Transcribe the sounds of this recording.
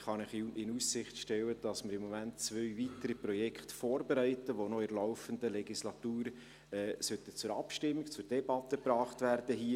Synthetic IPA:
χɑnɪχɪnusɪχtʃtɛwəd̥ɑsməɾɪmːɔmæntt͡sʋœɥvitəɾiprɔjɛkχtfoːɾbeɾɛɪtəʋonɔɪɾlɔʊfəndəlɛɡislɑt̪uːɾ | ɛːsœt̪ət͡sʊɾɑpʃtɪmːikt͡sʊrd̥ɛbɑt̪əpɾɑːχtværd̥əɦiːə

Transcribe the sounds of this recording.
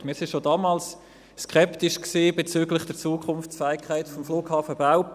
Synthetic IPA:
mɪːɾsɪ̃nʃodɑːmɑːls | skʰɛptɪʃksiːb̥et͡syːɡlɪχd̥ɛɾt͡suːkʰχʊnft͡sfæɪkχaɪtfɔmfluːɡ̥hɑːfəbaʊ

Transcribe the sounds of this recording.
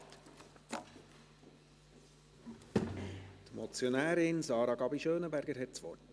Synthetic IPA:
t̪mɔt͡sjonæːɾɪnsɑːɾɑɡɑbiʃøːnəbæɾɡəɾɦɛt̚t͡sʋɔ̰rt

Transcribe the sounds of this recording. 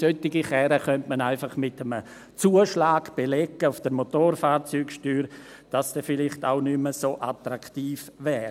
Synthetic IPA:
sœtɪɡiχɛɾəχœntmanaɪfɑχmɪtəmə | t͡suːəʃlaːɡb̥elɛɡəʊfd̥əɾmotoːrfaːɾt͡syːkʃtyːɾ | d̥asd̥ɛfɪlɪχta̰ʊnyməsoːʔatɾakʰtiːfvɛːɾ

